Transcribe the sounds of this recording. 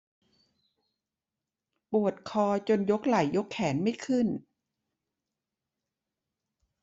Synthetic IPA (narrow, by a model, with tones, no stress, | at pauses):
pu˨˩ət̪̚kʰɔː˧t͡ɕo˧njo˦˥k̚la˨˩˦jːo˦˥kʰːɛː˩˦nma˥˩jkʰɯ˥˩n